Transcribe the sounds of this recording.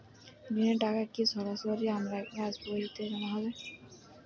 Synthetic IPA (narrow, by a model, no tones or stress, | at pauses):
mineɖakakisɔɾasoɾiamɾakeasboɾit̪eɾɔnaɦɔβe